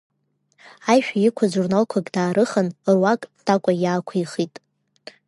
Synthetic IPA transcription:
ajʃᶣajɪkʷʰaʒurnalkʷʰakʼdaːɾʔɨχənrwakʼd̥ʰakʷʼajaːkʷʰajχitʼ

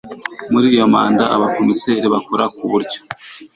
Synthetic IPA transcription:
muɾiːjo̞ma̰ːndaːβakomiseːɾiβakoɾakuβuɾɟo̥

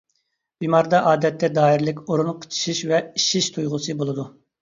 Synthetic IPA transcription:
bimɑɾd̪ɑʔɑːd̪ɛt̪ʰːɛd̪ɑːiɾɪlɪkʲoɾunqʰə̥t͡ʃʰi̥ʃiʃvɛiʃiʃt̪ʰujʁʊsɨbolˠɨd̪u

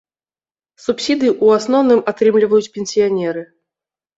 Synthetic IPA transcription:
supsʲid̪ɨʔuasnɔwnɨmat̪ɾɨmlʲivɐjut͡sʲpʲenʲsʲijanʲɛɾɨ

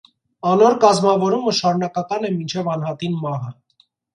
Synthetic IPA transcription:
ɑnɔɾkɑzmɑvɔɾuməʃɑɾunɑkɑkɑnɛmint͡ʃʰɛvɑnɦɑt̪inmɑɦə

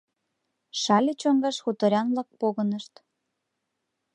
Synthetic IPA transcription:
ʃɑlʲet͡ɕoŋɡɑʃxut̪əɾʲɑnβlɑk̚poɣənəʃt̪

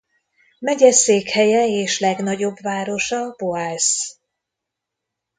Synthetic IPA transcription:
mɛɟɛseːkhɛjɛeːʃlɛɡnɒɟo̞bvaːɾo̞ʃɒboaːs

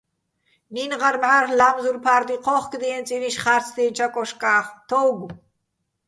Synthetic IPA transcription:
ninʁaɾmʕarlamzuɾpʰaɾd̪iqʰɔχkʼd̪iɛnt͡sʼiɾiʃχaɾt͡sʰd̪int͡ʃʰakʼɔʃkʼaːχt̪ʰɔwɡ

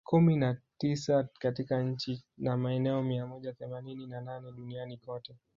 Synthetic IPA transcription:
kuminatisakatikaɲ̩t͡ʃinamaɛnɛɔmiamɔʄaθɛmanininananɛɗunianikɔtɛ

